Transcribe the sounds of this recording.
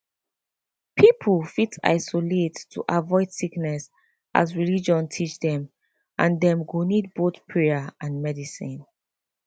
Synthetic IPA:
pʰipʰəlfita̰ɪsɔletʰːṵʔavɔɪd̥siknɛs | ʔa̰zɹilid͡ʒɔ̃ntʰit͡ʃdɛ̃m | ʔãndɛ̃mɡunid̚botpʰɹɛaʔãnmɛdisḭ̃n

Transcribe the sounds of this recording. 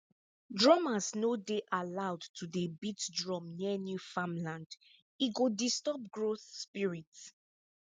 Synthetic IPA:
dɹɔmasnodeʔalawdtʰudebitdɹɔ̃mniənjufãmlãnd | iɡodistɔp̚ɡɹoθspiɹits

